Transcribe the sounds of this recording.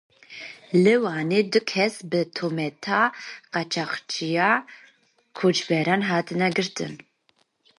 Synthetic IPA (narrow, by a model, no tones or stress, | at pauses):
lɨwaːneːd̪ʊkʰɛsbɨt̪ʰomɛt̪ʰaqɑt͡ʃʰɑχt͡ʃʰija | kʰot͡ʃbɛɾanɦaːt̪ʰɨnɛɡɨɾt̪ʰɨ̰n